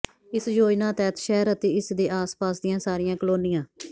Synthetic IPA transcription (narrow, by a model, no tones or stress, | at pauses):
ɪsd͡ʒoːjnãːt̪ɛːt̪ʃɛːɾət̪eːɪsd̪eːʔaːspaːsd̪ɪjãːsaːɾɪjãːkəloːnɪjãː